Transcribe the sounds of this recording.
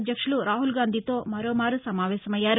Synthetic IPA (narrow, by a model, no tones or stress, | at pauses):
d̪jɐkʂuluɾaːɦulɡaːnd̪ʱit̪o̞ːmɐɾoːmaːɾusɐmaːʋɛːsɐmɐjːaːɾ